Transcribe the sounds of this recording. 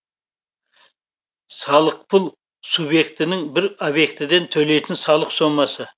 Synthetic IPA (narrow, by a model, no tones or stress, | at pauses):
sɑlˠəq̚pʰʊlˠ | subje̞kt̪ɪnɪŋbɪɾobje̞kt̪ɪd̪e̞nt̪ʰɵle̞jt̪ɪnsɑlˠəqso̞mɑsə